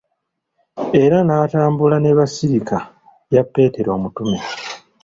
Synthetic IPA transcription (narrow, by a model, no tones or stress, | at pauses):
e̞ɾanaːtaːmbulaneβasiɾikʰa | japːe̞ːte̞ɾoːmutume